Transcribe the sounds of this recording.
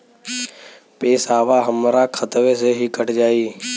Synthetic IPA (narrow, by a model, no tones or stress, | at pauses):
peːsaːʋaːɦəmɾaːkʰət̪ʋeːseːɦiːkəʈd͡ʒaːiː